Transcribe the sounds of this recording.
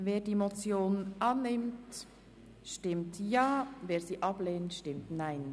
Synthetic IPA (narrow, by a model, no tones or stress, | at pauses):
veːdimot͡sjoːnʔanːɪmt | ʃtɪmtjaːveːɾziːʔɑbleːntʃtɪmtnaɪn